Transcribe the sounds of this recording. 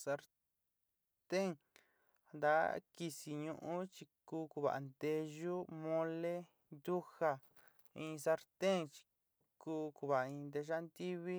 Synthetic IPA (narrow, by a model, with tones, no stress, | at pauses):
sa˧ɾ | t̪e˦˨ŋ | nd̪a˦ki˧si˧ɲũ˧ʔũ˦t͡ʃi˧kuː˧˦ku˧βa̰˨a̰˨nd̪e˧ʒu˦mõ˧le˦ | nd̪u˦xa˧ | ĩ˧sa˧ɾt̪e˦ŋt͡ʃi̥˧ | kuː˧ku˧βa˨a˨ĩ˧nd̪e˧ʒa˦nd̪i˦βi˦